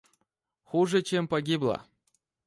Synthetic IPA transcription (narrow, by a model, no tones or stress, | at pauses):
xuʐɨt͡ɕempɐɡʲiblˠə̰